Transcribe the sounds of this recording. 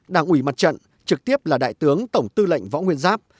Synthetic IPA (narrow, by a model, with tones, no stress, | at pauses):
ɗaː˧˩ŋʔwi˧˩ma˨˩t̚t͡ɕə̰˧˨n | t͡ɕɨ˨˩k̚t̪i˦˥əp̚laː˨˩ɗa̰ː˧˨jt̪ɨ˨˦əŋt̪ə˧˩wŋ͡mt̪ɨ˧lə̰˧˨jŋ̟vɔ̰˧˥ŋwi˧ənzaː˦˥p̚